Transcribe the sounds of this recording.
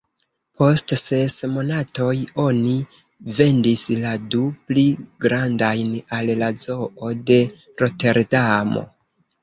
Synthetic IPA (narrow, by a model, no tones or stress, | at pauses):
po̞stse̞smo̞nato̞jo̞ni | ve̞ndisladupliɡɾandajnallazo̞ʔo̞de̞ | ɾo̞te̞ɾdamo̞̰